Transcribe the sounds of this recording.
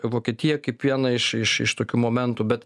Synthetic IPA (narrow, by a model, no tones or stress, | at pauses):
ʋoːkʲiɛt̪ʲijɛkɐɪpʋʲiɛnɐɪʃɪʃɪ̰ʃt̪oːkʲuːmoːmʲɛnt̪uːbʲɛt̪